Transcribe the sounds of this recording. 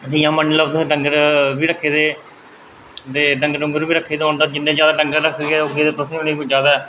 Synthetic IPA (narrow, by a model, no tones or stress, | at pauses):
əsĩːjãːmənːləbt̪ʊsĩːʈəŋɡəɾbiːɾəkʰːeːd̪eː | d̪eːɖəŋɡɖʊ̃ŋɡəɾʋiːɾəkʰːeːd̪eõːnd̪aːd͡ʒɪnːẽːd͡ʒjaːd̪aːʈəŋɡaːɾəkʰːɡeɛːoɡeːd̪eːt̪ʊsĩːʊneːkːd͡ʒjaːd̪aː